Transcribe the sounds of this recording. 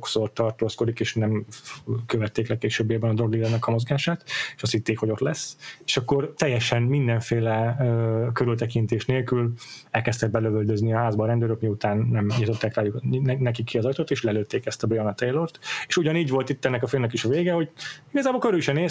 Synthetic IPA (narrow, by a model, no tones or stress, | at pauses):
oksort̪ɒrt̪oːsko̞d̪ikeːʃnɛm | køvɛt̪ːeːklɛkːeːʃøːbːeːbɛnɒd̪ɾoɡlilɛnɛkɒmo̞zɡaːʃaːt̪eʃɒst̪hit̪ːeːkhoo̞t̪lɛsːeːʃɒkːo̞rt̪ɛjːɛʃɛnmind̪ɛɱfeːlɛøkøɾylt̪ɛkint̪eːʃneːlkylɛlkɛst̪ɛɡ̪̚bɛløvøld̪øzniɒɦaːzbɒːɾɛnd̪øːɾøkmiut̪aːnːɛmɲit̪o̞t̪ːaːkraːjuknɛkikːiɒzɒjt̪oːt̪eːʃlɛløːt̪ːeːkɛst̪ɒbɾeonɑt̪ejlort̪eːʃuɟɒniːɟvo̞lt̪it̪ːɛnːɛkɒfilmnɛkiʃɒveːɡɛho̞ɟiɡɒzaːbolkøɾylʃɛneː